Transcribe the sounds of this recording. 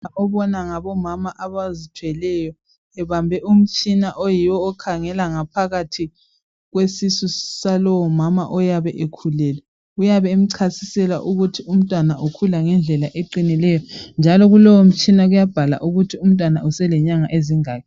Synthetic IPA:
aʔɔβɔnaŋaβɔmamaʔaβazitʰwɛlɛjɔ | ɛβambʱɛʔum̩t͡ʃʼinaʔojiwɔːkʰaŋɛlaŋapʰaɣatʰi | ɣwesisusalɔwɔmama̰ʔɔjaβɛʔekʰulɛlɛ | ujaβɛm̩ǀʰasisɛla̰ʔuɣutʰium̩tʼwanaʔukʰulaŋɛnd͡ɮʱɛlaʔeǃinilɛjɔnd͡ʒʱalɔɣulɔwom̩t͡ʃʼinaɣujab̥ʱala̰ʔuɣutʰium̩tʼwanaʔusɛlɛɲaŋaʔeziŋaːkʰɛ

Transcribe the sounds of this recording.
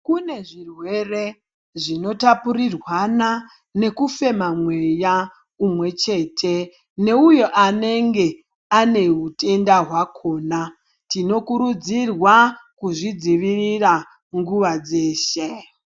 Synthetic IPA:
kune̞ʐirwe̞re | ʐino̞tapuɾirwana | ne̞kufe̞mamwe̞ja | umwe̞t͡ʃe̞ːtʰe̞ | ne̞ujo̞ʔane̞ŋɡe̞ | ane̞ɦutʰe̞ndaɦwakʰo̞ːna | tino̞kuɾud͡zirwakuʐid͡ziʋirira | ŋɡuʋad͡ze̞ːʃe

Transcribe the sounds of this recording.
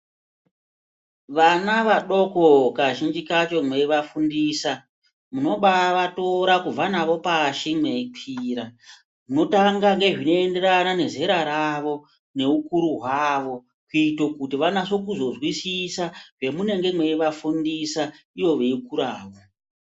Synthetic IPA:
ʋanaʋaɗo̞ko̞kaʒind͡ʒikat͡ʃo̞mwe̞ʋafundiːsa | muno̞ɓaʋato̞ɾakub͡vanaʋo̞paʃimepʰiːɾa | muno̞taŋɡaŋɡe̞ʐino̞ende̞ɾanane̞ze̞ɾaɾaʋo̞ | ne̞ukuɾuɦwaʋo̞ | kuitokutiʋanaso̞kuzo̞zwisisaʐe̞mune̞ŋɡe̞mwe̞iʋafundisa | iʋo̞ʋe̞ikuɾaːʋo

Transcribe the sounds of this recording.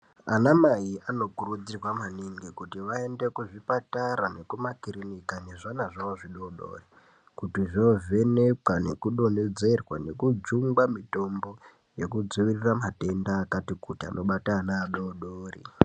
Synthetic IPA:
anamaiʔano̞kurud͡zirwamaniŋɡikutiʋae̞nde̞kuʐipataɾane̞kumakiɾinikane̞ʐanaʐaʋoʐiɗoɗo̰ːri | kutiʐnove̞ne̞kwane̞̰kuɗo̞ne̞d͡ze̞rwa̰ne̞kud͡zuŋɡwamito̞mbo̞ | je̞kud͡zuʋiriramate̞ndaːkatikutia̰nʔo̞ɓatanaːɗoɗoːrḭ

